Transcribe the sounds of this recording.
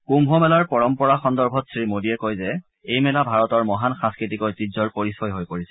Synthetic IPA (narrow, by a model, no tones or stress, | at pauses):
kumɦɔmɛlaɹpɔɹɔmpɔɹaxɔndɔɹbʱɔtsɹimodiɛkojzɛ | ejmɛlabʱaɹɔtɔɹmɔɦanxãskɹitikɔjtizɔɹpoɹisɔjɦojpoɹisɛ̥